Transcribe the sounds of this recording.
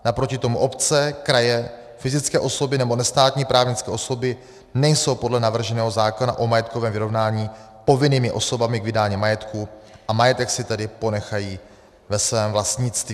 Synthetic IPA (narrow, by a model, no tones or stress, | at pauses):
napɾocɪt̪o̞muʔo̞pt͡sɛkɾajɛ | fɪzɪt͡skɛːʔo̞so̞bɪnɛbo̞nɛst̪aːt̪ɲiːpɾʔaːvɲɪt͡skɛːʔo̞so̞bɪ | nɛjso̞wpo̞dlɛnavr̩ʒɛnɛːɦo̞zaːkonaʔo̞majɛt̪kovɛːmvɪɾo̞vnaːɲiː | po̞vɪniːmɪʔo̞so̞bamɪɡvɪdaːɲiːmajɛt̪kuʔamajɛt̪ɛksɪt̪ɛdɪpo̞nɛxajiː | vɛsvɛːmvlast̪ɲɪt͡st̪viː